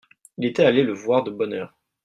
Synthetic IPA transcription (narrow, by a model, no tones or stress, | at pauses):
ilet̪ɛaleləvwaʁd̪əbɔnœːʁ